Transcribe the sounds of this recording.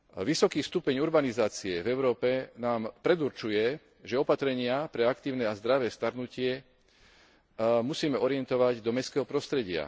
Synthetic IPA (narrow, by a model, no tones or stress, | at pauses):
ʋisɔkiːst̪upɛɲuɾbanizaːt͡siɛvɛʊɾɔːpɛnaːmpɾɛd̪uɾt͡ʃujɛ | ʒɛɔpat̪ɾɛɲɪapɾɛakt̪iːʊnɛːazd̪ɾaʋɛːst̪aɾnucɪɛ | musiːmɛɔɾɪjɛnt̪ɔʋaɟd̪ɔmɛskɛːɦɔpɾɔst̪ɾɛɟɪa̰